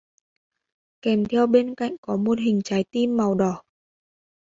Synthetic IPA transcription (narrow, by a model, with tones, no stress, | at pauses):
kɛ˧˩mt̪ʰɛ˧wɓe˧nka̰˧˨jŋ̟kɔ˨˦mo˨˩t̚ɦï˨˩ŋ̟t͡ɕaː˨˦jt̪i˧mːa˨˩wɗɔ˧˩